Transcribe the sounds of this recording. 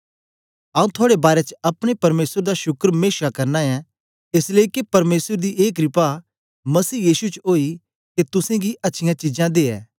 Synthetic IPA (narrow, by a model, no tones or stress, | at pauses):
ɐũt̪ʰaːɽebaːɾet͡ʃɐpɽ̃epɐɾmeːsəɾd̪aʃʊkɾmeːʃakɐɾnaɛ̃ | ɪsleikepɐɾmeːsəɾd̪iʔeːk̬ɾɪpa | mɐsiːjiːsut͡ʃoːi | ket̪ʊsẽɡiʔɐtːʃʰɪjãt͡ʃɪd͡ʒãd̪eːɛ̰ː